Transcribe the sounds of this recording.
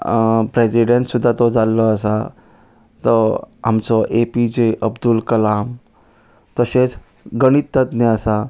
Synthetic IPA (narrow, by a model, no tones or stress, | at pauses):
pɾesiɖẽɳʈsud̪ʱːat̪ɔd͡zalːɔəsa | t̪ɔɦamt͡sɔʔepid͡ʑeʔəbd̪ulkəlam | t̪əset͡s | ɡəɽ̃it̪ːət̪neəsa